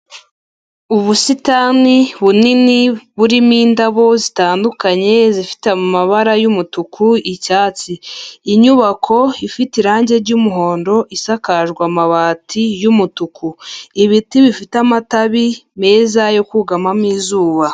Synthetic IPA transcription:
uβusitaːniβuniniβuɾimiːndaβo̞zitaːndukaɲe̞zifi̥tamumaβaɾajumutukʰuicaːt͡siːɲuβakʰo̞ifitiɾaːɲɟe̞ɾɟumuɦo̞ːndo̞ʔisakaʒɡwamaβaːtʰijumutukʰuiβitiβifitamataβime̞ːzajo̞kuɡamamiːzuːβa

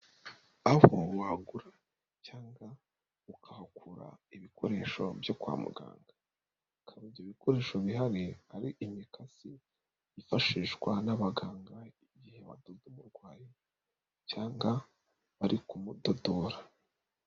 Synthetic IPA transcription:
ahowaɡuɾa | caːŋɡa | ukʰahakʰuɾa̰iβikʰo̞ɾe̞ːʃo̞̰bjo̞kwa̰mṵɡa̰ːŋɡa | kʰaβivjoβikʰo̞ɾe̞ːʃo̞βiɦaɾiaɾiʔimikasi | ifaʃiːʃɡwanaβaɡaːŋɡaiɟihe̞βa̰doɡumuɾɡwaːji | caːŋɡa | βaɾikumudodo̞ɾa

